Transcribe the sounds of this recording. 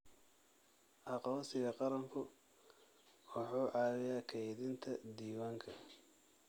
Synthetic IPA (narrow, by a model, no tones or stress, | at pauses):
ʔɑqɔːsɪɣɐqɑɾɐŋkʰʊ | wɑħuːʔɑːwɪjaːkʰɛjðɪnt̪ʰɐd̪iːwaːŋkʰɐ